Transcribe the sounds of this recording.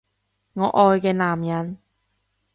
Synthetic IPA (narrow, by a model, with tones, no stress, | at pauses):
ŋɔ˧ʔɔː˧jka˧naː˨˩mɲa˧˥n